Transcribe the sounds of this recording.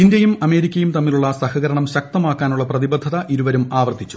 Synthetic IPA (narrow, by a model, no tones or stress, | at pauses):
indjɐjumɐme̞ːɾikʲːɐjumt̪ɐmːiluɭːɐsɐhɐɣɐɾɐɳɐmɕɐk̚t̪ɐmaːkːaːnuɭːɐprɐðibɐd̪ʱːɐðɐʔiɾuʋɐɾumaːʋɐrt̪ːit͡ɕːu̥